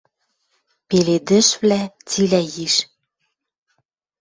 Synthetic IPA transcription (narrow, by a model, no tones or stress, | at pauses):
peled̪ɘ̆ʃvlæt͡silæjiʃ